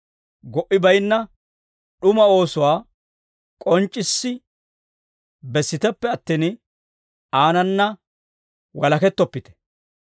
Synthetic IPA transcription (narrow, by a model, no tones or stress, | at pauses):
ɡɔʔɪbɐjnːɐ | ɗʊmɐo̞ːsʊwaː | kʼɔnt͡ʃʼːɪsːɪ | bɛsːɪt̪ɛpːɛɐt̪ːiːn | aːnɐnːɐ | wɐlɐkɛt̪ːɔpːɪt̪ɛ̥